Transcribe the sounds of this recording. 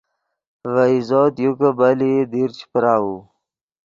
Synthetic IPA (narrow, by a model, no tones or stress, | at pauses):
vaizoːt̪jukabalid̪iɾt͡ɕi̥pɾaːwu